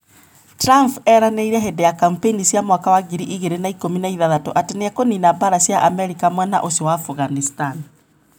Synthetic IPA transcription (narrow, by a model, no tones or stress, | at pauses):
tɾampɛɾaneiɾɛɦedejakampeinisjamwakawaɡiɾiʔiɣeɾenaikominaiðaðato̰ʔateneakoninabaɾasjaʔamɛɾikamwɛna̰ʔosowaːfuɣanistan